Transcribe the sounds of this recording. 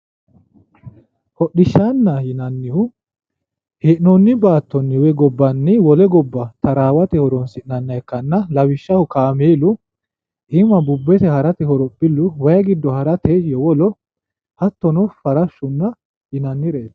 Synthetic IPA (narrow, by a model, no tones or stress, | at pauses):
hɔɗɪʃːanːɐjɪnɐnːɪhʊ | heʔnɔnːɪbaːt̪ːɔnːɪwɛɡɔbːɐnːɪwɔlɛɡɔbːɐt̪ɐɾaːwɐt̪ɛhɔɾɔnsɪʔnɐnːɐɛkːɐnːɐlɐwɪʃːɐhʊkaːmeːlʊ | ʔɪmɐbʊbːɛt̪ɛhɐɾɐt̪ɛhɔɾɔbɪlːʊwɐjɐɡɪd̪ːɔhɐɾɐt̪ɛjɔwɔlɔ | hɐt̪ːɔnɔfɐɾɐʃːʊnːɐ | hɪnɐnːɪɾeːt̪ː